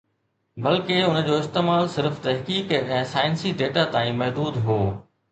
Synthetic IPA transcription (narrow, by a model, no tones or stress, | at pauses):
bɐlkeʊnə̆d͡ʑoːɪst̪eːmaːlsɪɾft̪ɐɦkiːkɛ̃ːsaːɪnsiɖeːʈat̪ãːĩmɐɦd̪uːd̪ɦoː